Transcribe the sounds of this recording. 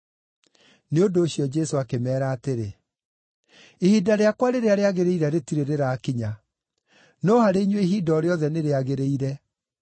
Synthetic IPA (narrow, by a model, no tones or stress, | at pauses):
neondoːɕjɔd͡ʒɛsoakemɛːɾaːteɾe | ehidaɾeakwaɾeɾeaɾeaɣeɾeiɾɛɾetiɾeɾeɾaːkiɲa | nɔhaɾeiɲweɦidɔːɾeɔðɛneɾeaɣeɾeiɾɛ